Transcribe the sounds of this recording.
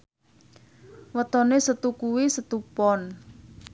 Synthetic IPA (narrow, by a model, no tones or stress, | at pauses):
wət̪ɔnesət̪ukuwisət̪upɔn